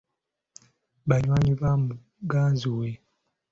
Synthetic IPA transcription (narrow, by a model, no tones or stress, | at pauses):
βaɲwaːɲiβamu | ɡaːnzuwe